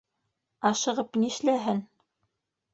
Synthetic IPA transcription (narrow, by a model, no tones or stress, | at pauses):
ɑʃɤ̆ʁɤpniʃlæɦɘn